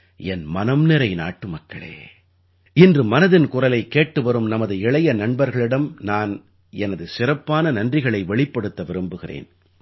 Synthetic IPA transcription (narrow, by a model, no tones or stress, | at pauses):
ɛnmɐnɐmnɪɾɐɪna̰ːʈːɯmɐkːɐɭḛː | ɪndrɯmɐnɐðɪnkʊrɐlɐɪkːeːʈːɯʋɐɾɯmnɐmɐðɯɪɭɐjɐnɐɳbɐɾɣɐɭɪɽɐmnaːn | ɛnɐðɯsɪrɐpːaːnɐnɐndrɪɣɐɭɐɪʋɛɭɪpːɐɽɯt̪ːɐʋɪɾɯmbɯɣɪrḛːn